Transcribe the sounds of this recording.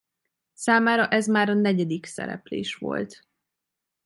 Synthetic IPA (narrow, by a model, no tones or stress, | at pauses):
saːmaːɾɒʔɛzmaːɾɒnɛɟɛd̪iksɛ̰ɾɛ̰plḛːʃʋo̞̰lt̪